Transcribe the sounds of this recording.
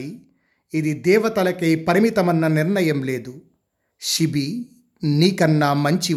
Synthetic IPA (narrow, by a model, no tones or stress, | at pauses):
i | id̪id̪ɛːʋɐt̪ɐlɐkeːpɐɾimit̪ɐmɐnːɐniɾnɐjɐmle̞ːd̪u | ʃibi | niːkɐnːaːmɐɲt͡ʃi